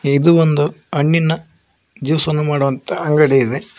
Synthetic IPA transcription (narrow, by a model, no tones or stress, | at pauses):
id̪uond̪uɐɳːinːɐ | d͡ʒiʋsɐnːumaːɽuʋɐnt̪ɐɐŋɡɐɽeid̪e̞